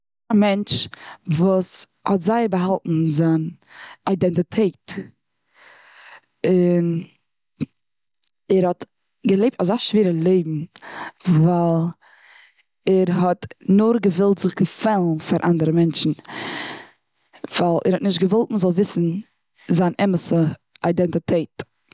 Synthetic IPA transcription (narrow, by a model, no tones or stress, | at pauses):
amɛnt͡ʃvuːs | hɔtzaɪəɾbəɦalˠtn̩zan | aɪdɛntɪtʰeɪt | ɪn | ɛɾhɔt | ɡəlˠeɪp̚tazaʃviːɾəlˠeɪbm̩ | valˠ | ɛɾɦɔtnʊɾɡəvɪlˠtz̥ɪχɡəfɛlˠnfaɾʔa̰ndəɾəmɛnt͡ʃn̩ | v̥alˠɛ̰ɾhɔtnɪʃtɡəvɔlˠtməzɔlˠvɪsn̩ | zanʔɛməsəaɪdɛntɪtʰeɪt